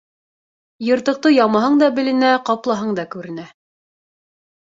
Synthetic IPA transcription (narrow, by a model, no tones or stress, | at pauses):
jɤ̆ɾt̪ɤ̆q̚t̪ɤjɑmɑɦɤɴd̪ɑbɘ̆lɘ̆næqɑplˠɑɦɤɴd̪ɑkʉɾɘ̆næ